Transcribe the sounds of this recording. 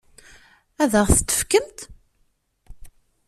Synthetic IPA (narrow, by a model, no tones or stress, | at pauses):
æðəʁθə̥t̪ːə̥fkəmt̪